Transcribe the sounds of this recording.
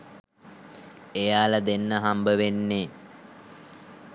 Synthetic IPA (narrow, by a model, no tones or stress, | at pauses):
ejaːləd̪enːəɦambəʋenːe